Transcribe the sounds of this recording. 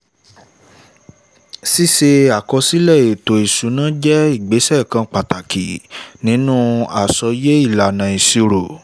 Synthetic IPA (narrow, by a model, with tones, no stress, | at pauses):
si˦˨se˧a˨kɔ˧si˦lɛ˦˨e˨to˨i˨su˨˦nã˦d͡ʒɛ˦i˦˨ɡ͡be˨˦sɛ˦˨kã˧k͡pa˨ta˨kʰḭ˨nĩ˨˦nũː˦a̰˨sɔ˧je˦i˦˨la˨nã˨i˨si˧ɾo˨